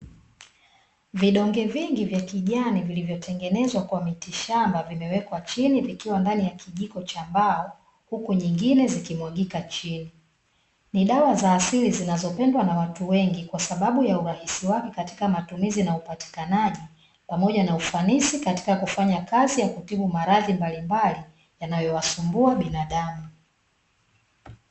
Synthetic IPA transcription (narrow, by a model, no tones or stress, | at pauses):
viɗɔŋɡɛviŋɡivjakiʄanivilivjɔtʰɛŋɡɛnɛzwakwamitiʃambavimɛwɛkwat͡ʃinivikiwandanijakiʄikɔt͡ʃaːmbaɔ | hukuɲiŋɡinɛzikimwaɠikat͡ʃini | niɗawazaːsilizinazɔpɛndwanawatuwɛŋɡikwasaɓaɓujauɾahisiwakɛkati̥kamatumizinaupati̥kanaʄi | pamɔʄanaufanisikati̥kakufaɲakazijakutiɓumaɾaðimbalimbali | janajɔwasumbuaɓinaɗamu